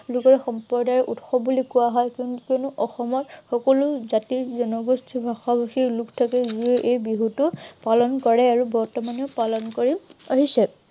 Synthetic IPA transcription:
lukɔɹɛxɔmpɔɹdaɹʔutxɔbulikʊwaɦɔjknkenuʔɔxɔmɔɹxɔkɔlʊzatiɹzɔnɔɡustʰibʱaxɔbaxiklukʰtʰakɛzueʔejbiɦutʊpalɔnkɔɹɛaɹubɔɹtɔmanɔpalɔnkɔɹimaɦisɛ

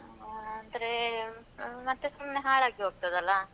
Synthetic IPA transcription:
aɐnd̪ɐɾe | mɐt̪ːesumneɦaːɭaːɡiɦoːɡ̚t̪ɐd̪ɐlːɐ

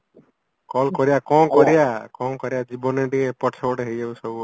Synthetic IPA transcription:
kɔlkɔɾijakɔ̃kɔɾijakɔ̃ŋkɔɾijad͡ʒibɔneɖiepɔʈt͡ʃʰɔbɔʈeɦejd͡ʒebɔsɔbu

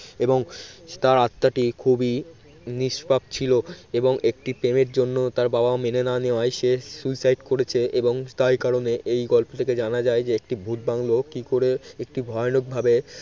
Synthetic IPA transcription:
eboŋt̪aɾat̪ːaʈikʰubi | niʃpap̚t͡ɕʰiloeboŋek̚ʈipemeɾd͡ʑonːot̪aɾbabamenenaneoajʃesujsajɖkoɾet͡ɕʰeeboŋt̪ajkaɾoneʔejɡɔlpot̪ʰeked͡ʑanad͡ʑaed͡ʑeek̚ʈibʱut̪̚baŋlokikoɾeek̚ʈibʱɔenok̚bʱabe

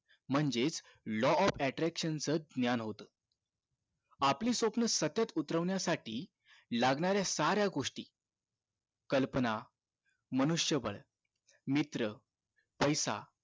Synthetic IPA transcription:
m̤əɳd͡zet͡s | lɔːfæʈɾækʂənt͡səd̪njanɦot̪əː | apliːsopnəsət̪jət̪ut̪ɾəʋɳjasaʈiː | laɡɳaɾjasaɾjaɡoʂʈḭː | kəlpəna | mənuʂjəbə̰ɭ | mit̪ɾə | pəjsa̰

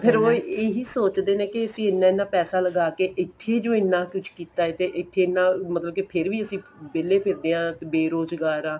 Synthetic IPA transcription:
pʰɪɾoːeːɦiːsoːt͡ʃd̪eːneːkɪəsĩːɪnːaːɪnːãːpɛːsaːləɡaːkeːʔɪt̪ʰːeːd͡ʒoːɪnːãːkʊt͡ʃʰkiːt̪aːeːt̪eːʔɪt̪ʰːeːɪnːãːmət̪ləb̚kɪpʰɪɾʋiːəsĩːbeːleːpʰɪɾd̪eːãːt̪ebeːɾoːzɡaːɾãː

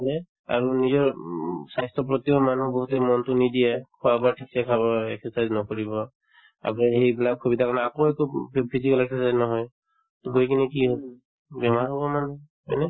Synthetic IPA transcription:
ɦɔnɛ | a̰ɹunizɔɹsajstɔpɹɔt̪iɔmanuboɦutɛmɔntʊnidiɛkʰuabaɹtʰiksɛkʰaβɔɛ̰ksɔsajznɔkoɹibɔ | a̰punahejbilak̚kʰubidakʰɔnaakoɛkubʰʱizʱikɔlaksasanɔɦɔj | tɔɡojkʰinikiɦɔs | bɔmaɹɦɔbɔmanuɦɔjnɛ

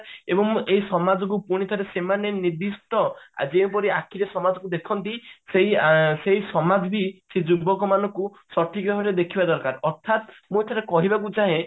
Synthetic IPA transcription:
ebɔŋmuʔeisɔmad͡ʒɔk̬upuɽ̃it̪ʰaɾesemaneniɾd̪isʈɔa̰d͡ʒeũpɔɾiakʰiɾesɔmad͡ʒɔkud̪ekʰɔnt̪iseɦiseɦisɔmad͡ʒɔbʱised͡ʒubɔkɔmanɔ̃ŋku | sɔʈʰikɔɦɔɾɔd̪ekʰibad̪ɔɾkaɾɔɾt̪ʰat̪ | mũet̪ʰaɾekɔɦibakut͡ʃaɦẽ

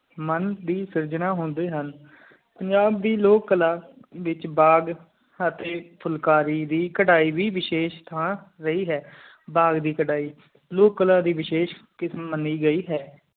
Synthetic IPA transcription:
mənd̪iːsɪɾd͡ʒnaːɦõːnd̪eːɦən | pəɲd͡ʒaːb̚d̪iːloːkːəlaːʋɪt͡ʃbaːɡ | ət̪eːpʰʊlkaːɾiːd̪iːkəʈaːiːʋiːʋɪʃeːʃt̪ʰãː | ɾəɦiːɦɛː | baːɡd̪iːkəʈaːiː | loːkːəlaːd̪iːʋɪʃeːʃkɪsmːəniːɡəiːɦɛː

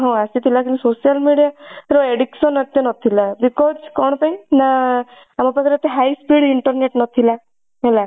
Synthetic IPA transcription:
ɦɔ̃asit̪ʰilakinisosijalmiɽijaɾɔeɽiksɔnat̪jɔnɔt̪ʰilabikɔzkɔɳ̃p̪aĩna | amapɔkʰiɾet̪eɦajspiɽiɳʈɔɾneʈnɔt̪ʰila | ɦela

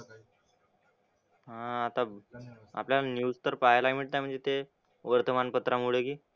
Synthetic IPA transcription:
ɦãːt̪a | a̰pljalanjud͡zt̪əɾpaɦjlam̤iʈ̚t̪ajm̤əɳd͡zet̪e | ʋəɾt̪əmanpət̪ɾamuɭekiː

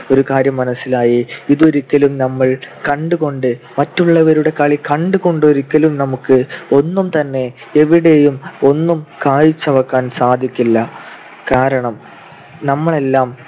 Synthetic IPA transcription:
o̞ɾukaːɾjɐmːɐnɐsːilaːjiiðo̞ɾikʲːɐlumnɐmːɐɭkɐɳɖuko̞ɳɖɨ | mɐtːuɭːɐʋɐɾuɽe̞kɐɭikɐɳɖuko̞ɳɖoɾikʲːɐlumnɐmukːɨo̞nːumt̪ɐnːe̞ | eʋiɽe̞jumo̞nːumkaːjit͡ɕːɐʋɐkːaːnsaːd̪ʱikʲːilːɐ | kaːɾɐɳɐm | nɐmːɐɭe̞lːaːm

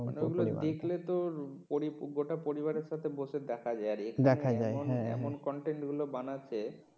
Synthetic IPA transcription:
ma̰neoɡulod̪eklet̪opoɾiɡoʈapoɾiβaɾeɾʃat̪ʰeboʃed̪ɛkʰad͡ʑaeaɾekʰd̪ɛkʰad͡ʑaeonɦɛ̃ɛ̰monkɔɳʈeɳʈɡulobanat͡ɕʰe

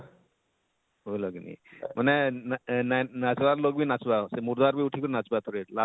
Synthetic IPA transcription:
olaɡnḭmanɛnnanat͡ʃbaɾlok̚binat͡ʃbasemuɾd̪aɾbiuʈʰikɔɾnat͡ʃbat̪ʰɔɾela

